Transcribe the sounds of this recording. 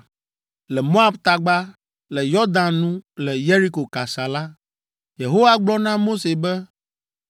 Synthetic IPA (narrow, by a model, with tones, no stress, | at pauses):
lɛ˨mo˦a˦bt̪a˨ɡ͡ba˦ | lɛ˨jɔ˦d̪ã˨nnũ˦lɛ˨je˦ɾi˦ko˨ka˨sa˨la˦ | je˨ɦo˦wa˦ɡ͡blɔ˦nã˦mo˦se˨bɛ˦